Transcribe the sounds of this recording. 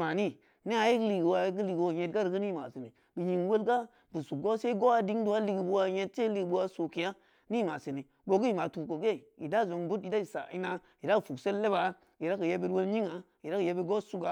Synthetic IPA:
ma˨ni˦ | ne˦a˨ji˦kli˨ɡi˨wa˨ji˦ɡ̬ə˦li˨ɡwo˨ɲe˨t̚ɡa˦ɾɡə˦ni˦ma˨si˨ni˨ | bi˨ɲi˨ŋwe˦lɡa˦ | bu˨su˨ɡo˦se˦ɡo˦a˨di˦ŋdu˦a˦li˨ɡi˨bu˦wa˨˧˦je˦t̚se˦li˨ɡbu˦wa˨so˨ki˨ja˦ | ni˦˨ma˨si˨ni˨ | bo˨ɡi˦i˦˨ma˨tu˨ko˨ɡe˦˨ḭ˨da˦˨zo˨ŋbu˦ti˨da˦i˨sa̰˨i˦na˦ji˨da˦kfu˨kse˦lːe˦ba˨ | i˨ɾa˦kə˨je˦be˦ɾwo˦lɲi˦ŋa˨ | i˨ɾa˦kɨ˨je˦be˦ɡo˦su˦ɡa˨˦

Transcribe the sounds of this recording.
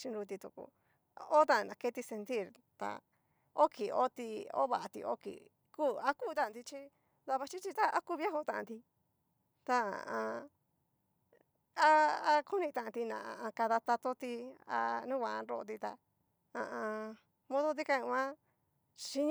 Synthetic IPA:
t͡ʃi˧nɾu˧t̪̬i˧t̪u˧kṵ˧˨ | o˦t̪ã˧nã˨ke˦t̪i˧se˧nt̪i˦˨ɾ | t̪a̰˨˧ | o˦ki˨o̰˦t̪i˧o̰˦βa˨ʔa˧t̪ḭ˧ʔo̰˦kḭ˨ | kuː˦˨a˧kuː˦˨˧t̪ã˦˨ã˧nd̪i˧t͡ʃi˦ | d̪a˧βa˧t͡ʃi˦t͡ʃi˧t̪a˦a˦ku˧βja˦ɦo˧t̪ã˧ʔã˧nd̪i˧ | t̪a˧a̰˨ã˧ | a˧a˧ku˦nĩ˧t̪ã˧˨ã˧t̪i˧nã̰˨a˧ã˧ka˧ða˧t̪a˧t̪o˦t̪i˧a̰˧nũ˦kʷã˧˨˧ɾo̰˧ʔo˧t̪̬i˧t̪a̰˧ | ã̰˧ã˧ | mõ˦ðo˦t̪̬i˦ka˧ĩ˧ã˦ | ʃi˧ɲ

